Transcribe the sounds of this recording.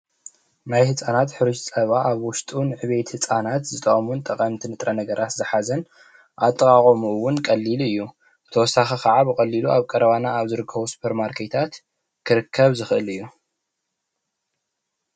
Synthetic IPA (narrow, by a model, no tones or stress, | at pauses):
najhɨt͡sʼanat̪ħɨɾuʃsʼɐβaʔaβwʊst̪ʼunɨʕɨβe̞t̪hɨt͡sʼanat̪zɨt̪ʼɐχʼɐmunt̪ʼɐqʼɐmt̪ʰinɨt̪ʼɾɐnɐɡɐɾʔat̪zɨħazɐn | ʔat̪ʼːɐkʼaχʼɐmuwʊnkʼɐlːilɨjːu | ɨt̪ʰɐwɔsːaxikʰaʕabɨkʼɐlːiluʔaβkʼɐɾɐβanaaβzɨɾɨkʰːɐβusu̥pʰeɾmaɾkʰe̞t̪ʰat̪ | kʰɨɾɨkʰːɐβzɨxʔɨlɨjːu